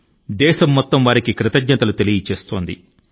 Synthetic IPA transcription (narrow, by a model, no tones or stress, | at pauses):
d̪ɛːʃɐmːɔt̪ːɐmʋaːɾikikɾɪt̪ɐɡɲɐt̪ɐlut̪e̞lijit͡ʃeːst̪o̞ːnd̪i